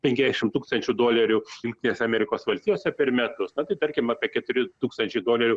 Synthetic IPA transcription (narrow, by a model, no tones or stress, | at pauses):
pʲɛŋʲkʲɛzd̪ʲɛʃʲɪmt̪uːkst̪ɐnʲt͡ʃʲʊd̪oːlʲɛɾʲʊjʊŋʲkt̪ʲɪnʲeːsʲɛɐmʲɛɾʲɪkoːsʋɐlʲsʲt̪ʲijoːsʲɛpʲɛrmʲɛt̪ʊsnɐt̪ɐɪt̪ɐɾʲkʲɪmɑːpʲiɛkʲɛt̪ʊɾʲɪt̪uːkst̪ɐnʲt͡ʃʲɛɪd̪oːlʲɛɾʲʊ